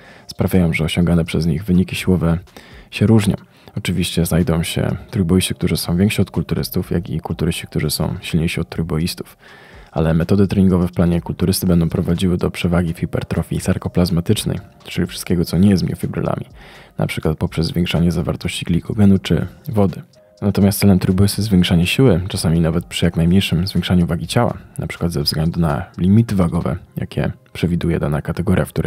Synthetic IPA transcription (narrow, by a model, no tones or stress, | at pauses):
spɾavʲjajɔ̃w̃ʐɛɔɕɔ̃ŋɡanɛpʂɛzɲiɣvɘɲikʲiɕiwɔvɛɕɛɾuʐɲɔ̰̃w̃ | ɔt͡ʂɘvʲiɕt͡ɕɛznajd̪ɔ̃w̃ɕɛ̰t̪ɾujbɔist̪ɘk̚t̪uʐɘsɔ̃w̃vʲɛŋkʂiɔt̪̚kult̪uɾɘ̰st̪ufja̰ɡʲikult̪uɾɘɕt͡ɕi̥k̚t̪uʐɘsɔ̰̃w̃ɕilɲejʂiɔt̪̚t̪ːɾujbɔjist̪u̥f | ʔalɛmɛt̪ɔd̪ɛt̪ɾɛɲiŋɡɔvɛfplaɲɛkult̪uɾɘst̪ɘbɛnd̪ɔ̃w̃pɾɔvad͡ʑiwɘd̪ɔpʂɛvaɡʲifʲibɛ̰ɾt̪ɾɔfʲisaɾkɔplazmat̪ɘt͡ʂnɛ̰j | t͡ʂɘlʲifʂɘ̥st̪̚kʲɛɡɔt̪sɔɲɛjɛst̪mʲḭfʲibɾɛ̰lʔa̰mʲḭnʔa̰pʂɘkwat̪̚pɔpʂɛzːvʲjɛ̃ŋkʂaɲɛzava̰ɾt̪ɔɕt͡ɕiɡlʲikɔɡɛnut͡ʂɘ̰vɔd̪ɘ | nat̪ɔmʲast̪sɛlɛmt̪ɾubɘsɘzvʲjɛŋkʂaɲɛɕiwɘt͡ʂasamʲinavɛt̪̚pʂɘjaknajmɲejʂɘmzvʲjɛ̃ŋkʂaɲuvaɡʲit͡ɕawa̰nʔapʂɘ̥kwad̪zɛvzɡlɛnd̪una̰lʲimʲit̪ɘvaɡɔvɛ̰ja̰kʲɛ̰ | pʂɛvʲid̪ujɛd̪anakat̪ɛɡɔɾʲjafk̚t̪uɾɛ